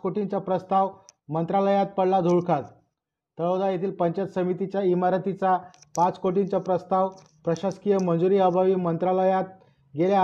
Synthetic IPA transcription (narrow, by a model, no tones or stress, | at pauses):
koʈiɲt͡ɕapɾəst̪aʋmənt̪ɾaləjat̪̚pəɽlad̪ʱuɭkʰat̪ | t̪əɭod̪ajet̪ʰiːlpəɲt͡ɕat̪səmit̪it͡ɕjaimaɾət̪it͡sapat͡skoʈiɲt͡ɕapɾəst̪aʋ | pɾəɕaskijəmənd͡zuɾiːəbʱaʋiːmənt̪ɾaləjat̪̚ | ɡelja